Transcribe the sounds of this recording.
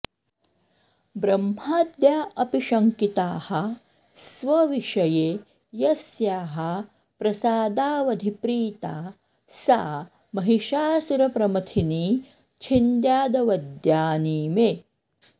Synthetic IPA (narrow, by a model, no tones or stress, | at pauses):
bɾɐmhaːd̪jaːʔɐpiʃɐŋkit̪aːhɐ̆ | sʋɐʋiʃɐjeː | jɐsjaːɦɐ | pɾɐsaːd̪aːʋɐd̪ʱipɾiːt̪aː | sa̰ː | mɐɦiʃaːsuɾɐpɾɐmɐt̪ʰiniː | t͡ʃʰind̪jaːd̪ɐʋɐd̪jaːniːmeː